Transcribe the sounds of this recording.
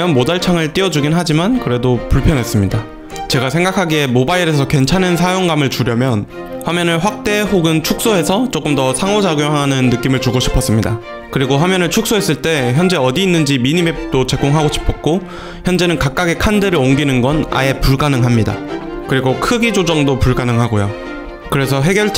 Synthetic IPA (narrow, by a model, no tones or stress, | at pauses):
jʌnmodaɭt͡ɕʰaŋɯɭt͈iʌd͡ʑuɡinɦad͡ʑimankɯɾe̞dopuɭpʰjʌnɦe̞s͈ɯmɲida | t͡ɕe̞ɡasʰe̞ŋɡakʰaɡie̞mobaiɾe̞sʰʌkwe̞nt͡ɕʰanɯnsʰajoŋɡamɯɭt͡ɕuɾjʌmjʌn | ɸwamjʌnɯɭɸwak̚t͈e̞ɦoɡɯnt͡ɕʰuk̚s͈oɦe̞sʰʌt͡ɕ͈ok͈ɯmdʌsʰaŋod͡ʑaɡjoɦaanɯnːɯk͈imɯɭt͡ɕuɡoɕʰi̥pʰʌs͈ɯmɲida | kɯɾiɡoɸwamjʌnɯɭt͡ɕʰuk̚s͈oɦes͈ɯɭt͈e̞çjʌnd͡ʑe̞ʌdiːnːɯnd͡ʑimiɲime̞t͈ot͡ɕe̞ɡ͈oŋɦaɡoɕʰi̥pʰʌk̚k͈o | çjʌnd͡ʑe̞nɯnkak̚k͈aɡekʰandeɾɯɭoŋɡinɯnɡʌna̰e̞puɭɡanɯŋɦamɲida̰kɯɾiɡokʰɯɡid͡ʑod͡ʑʌŋdopuɭɡanɯŋɦaɡojo | kɯɾe̞sʰʌɦe̞ɡjʌɭt͡ɕ